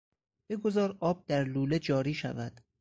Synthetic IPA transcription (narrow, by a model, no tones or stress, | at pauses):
b̥eɡo̞zɒːɾɒːb̚d̪̥æɾluːle̞d͡ʒɒːɾiːʃæ̰væd̪̥